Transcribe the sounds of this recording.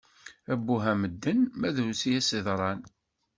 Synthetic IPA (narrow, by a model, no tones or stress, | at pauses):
æbːuɦæməd̪ːənmæðuwsijæsɪðˤɾˤɑn